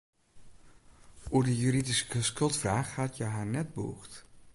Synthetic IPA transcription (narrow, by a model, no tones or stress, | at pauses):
uːɹdəjyɾidisə̥kəskɵlˠtfraːχatjəɦaːɹnɛd̚buuχt